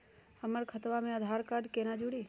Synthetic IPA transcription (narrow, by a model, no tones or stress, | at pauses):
həməɾkʰət̪ʋamẽəd̪ʱaːɾkaːɾɖkenad͡ʒuɽiː